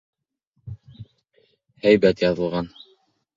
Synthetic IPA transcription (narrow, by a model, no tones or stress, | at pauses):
hæjbæt̪jɑðɤ̆lˠʁɑn